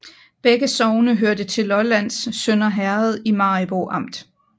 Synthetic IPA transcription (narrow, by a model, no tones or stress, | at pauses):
b̥eɡ̥əsɒʊnəɦøɐd̥ət͡sʰe̝lɒ̽læn̰ssønɐɦæɐð̞̩ˠimɑ̈ib̥oʔɑ̈m̰d̥